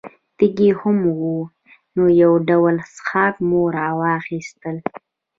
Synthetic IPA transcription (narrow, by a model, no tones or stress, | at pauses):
t̪iɡehʊmwu | nojawɖawəlsxɑːkmoɾɑwɑxist̪əl